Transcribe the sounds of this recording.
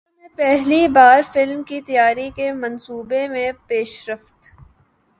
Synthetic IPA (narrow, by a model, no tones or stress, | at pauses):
mẽpɛɦlibaːɾfɪlmkit̪ɐjaːɾikemɐnsuːbemẽpeːʃɾɐft̪